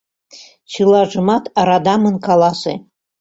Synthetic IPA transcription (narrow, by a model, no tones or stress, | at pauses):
t͡ʃʰɨlaʐɨmatʰaɾadamɨnkʰalasḛ